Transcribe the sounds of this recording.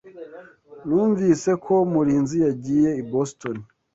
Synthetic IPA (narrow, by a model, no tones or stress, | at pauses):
nuːɱvise̞kʰo̞muɾiːnzijaɟije̞ibostoni